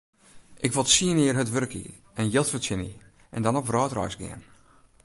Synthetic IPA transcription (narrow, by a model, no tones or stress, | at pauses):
ʔɪkʋolˠtsiənɪːərɦətʋøɾəkḭ | ɛnjɪlˠtfətɪnḭ | ʔɛ̰ndɔnɔprɔːtrɔ̰jsɡɪ̰ən